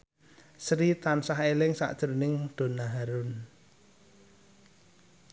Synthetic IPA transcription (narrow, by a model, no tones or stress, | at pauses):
sɾit̪ansaɦelɪŋsa̰ʔd̥ʒ̥əɾnɪŋd̪̥o̤naɦaɾʊn